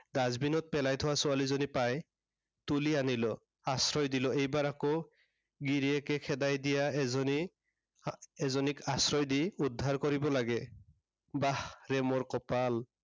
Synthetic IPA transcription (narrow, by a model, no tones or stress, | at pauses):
dazbinɔt̚pɛlajtʰʊwasʊalizɔnipaj | tulianilɔ | asɹɔjdilɔejbaɹako | ɡiɹiɛkɛkʰɛdajdijaɛzɔni | ɛzɔnikasɹɔjdiudʱːaɹkɔɹibɔlaɡɛ | bahɹɛmɔɹkɔpal